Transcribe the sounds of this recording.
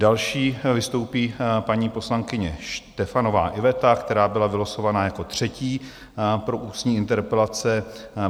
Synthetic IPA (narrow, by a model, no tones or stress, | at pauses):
dalʃiːvɪst̪o̞wpiːpaɲiːpo̞slaŋkɪɲɛʃt̪ɛfano̞va̰ːʔɪvɛt̪akt̪ɛɾaːbɪlavɪlosovanajako̞t̪r̝̥ɛciː | pɾo̞ʔuːsɲiːɪnt̪ɛɾpɛlat͡sɛ